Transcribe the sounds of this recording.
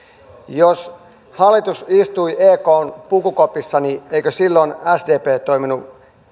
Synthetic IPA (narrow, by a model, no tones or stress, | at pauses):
jos | hɑlːit̪usist̪uiʔeːkoːnpukukopisːɑnieikøsilːonæsdeːpeːt̪o̞iminu